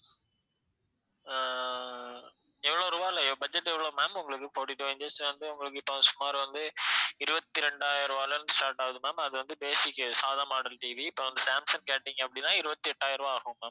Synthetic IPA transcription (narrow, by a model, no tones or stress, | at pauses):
ɛʋːɐɭoːɾuːbaːlajoːbɐd͡ʒɛʈːɛʋːɐɭoːmeːmʊŋɡɐɭɯkːɯpoːʈːɪʈːɯɪ̃ɲd͡ʒɐsʋɐnd̪ɯʊŋɡɐɭɯk̬ːɯɪpːõsʊmːaːɾɯʋɐnd̪ɯɪɾɯbɐt̪ːɪɾɛɳɖaːjɪɾɐaːlɐnsʈaːɾʈːaːʋɐðɯmeːmɐðɯʋɐnd̪ɯbeːsɪkːɯsaːðaːmaːɽɐlʈiːʋiːpːoːʋɐnd̪ɯsaːmsɐnkeːʈːɪŋɡɐɐpːɐɽɪnãːɪɾɯbɐt̪ːɯɛʈːaːjɪɾʋõaːɣɐ̃mɛːm